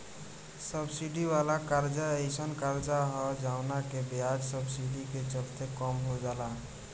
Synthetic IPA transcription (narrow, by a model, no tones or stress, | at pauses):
səbsiɖiʋalakaɾd͡ʒaeɪsənkaɾd͡ʒaɦɔd͡ʒawnakebjad͡ʒsəbsiɖiket͡ʃəlt̪ekɔmɦod͡ʒaːla